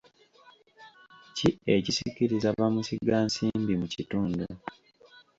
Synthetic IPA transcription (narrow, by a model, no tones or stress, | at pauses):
ciecisiciɾizaβamusiɡaːnsiːmbimucituːndu